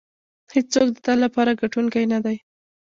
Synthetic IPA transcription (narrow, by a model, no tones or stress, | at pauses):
hed͡ʒt͡sokd̪ət̪alapɑɾaɡaʈuŋkajnad̪aj